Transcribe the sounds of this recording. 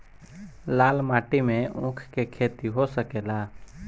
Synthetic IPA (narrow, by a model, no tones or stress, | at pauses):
laːlmaːʈimẽʊ̃ːkʰkekʰeːt̪iɦosəkeːlaː